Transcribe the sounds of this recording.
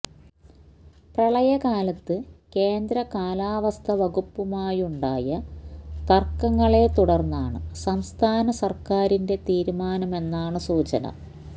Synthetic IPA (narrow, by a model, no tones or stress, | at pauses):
prɐɭɐjɐkaːlɐt̪ːɨke̞ːnd̪ɾɐkaːlaːʋɐst̪ʰɐʋɐɣupːumaːjuɳɖaːjɐt̪ɐrkːɐŋːɐɭe̞t̪uɽɐrnːaːɳɨsɐmst̪ʰaːnɐsɐrkaːɾinde̞t̪iːɾumaːnɐme̞nːaːɳɨsuːt͡ɕɐnɐ̰